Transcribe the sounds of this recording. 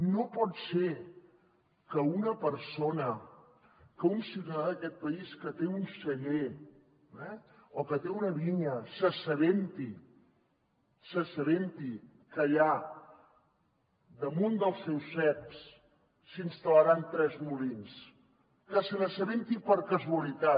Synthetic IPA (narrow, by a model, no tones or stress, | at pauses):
nopɔt̪se | kəunəpəɾsonə | kəunsiut̪əaðəkɛt̪̚pəiskət̪eunsəʎe | ɛokət̪eunəβiɲəsəsəðent̪i | səsəðent̪i | kəʎa | d̪əmund̪əlˠsːɛwsːɛks | sinst̪ələɾant̪ɾɛzmuβins | kəsənəsəβent̪ipəɾkəzuəlit̪a